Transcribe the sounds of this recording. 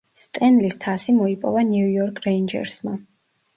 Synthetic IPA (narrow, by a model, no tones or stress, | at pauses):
st̪ʼɛnlist̪ʰasimɔipʼɔvaniujɔɾkʰɾɛind͡ʒɛ̰ɾsma